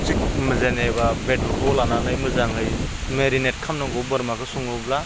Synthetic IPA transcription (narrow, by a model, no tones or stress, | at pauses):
t͡ʃik̚mɯzenebabedɔtɔlananɯjmɯzaŋɯjmeɾinet̚kʰamnɔɡɔbɯɾmakʰɯsuŋɯbla